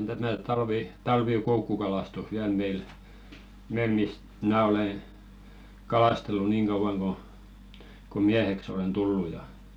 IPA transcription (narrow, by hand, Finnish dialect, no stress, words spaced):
on tæmæ tɑlʋi tɑlʋiˑkoukːukɑlɑstus ʋiæl meil meil mist mnæˑ oleˑ kɑlɑˑstelːu niːŋ ɡ̊ɑuʋ̆ɑŋ ɡ̊o ko miæheks olen tulːu jɑ